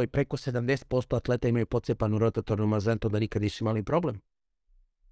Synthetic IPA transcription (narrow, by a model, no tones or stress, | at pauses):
ipɾe̞ko̞se̞d̪amd̪e̞set̪̚po̞st̪oat̪le̞t̪eimajupo̞t̪sepanuɾot̪at̪oɾnumazant̪ond̪anikad̪iʃimalipɾo̞blem